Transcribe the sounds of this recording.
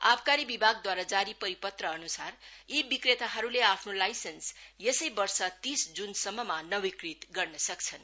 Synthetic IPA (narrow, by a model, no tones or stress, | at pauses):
abkaɾibibʱaɡd̪waɾad͡zaɾipʌɾipʌt̪rʌːnusaribikret̪aɦʌɾuleapʰnolajsensjesʌjbʌrsʌt̪isd͡zunsʌmːʌmanʌwikrit̪ɡʌrnʌsʌkt͡sʰʌn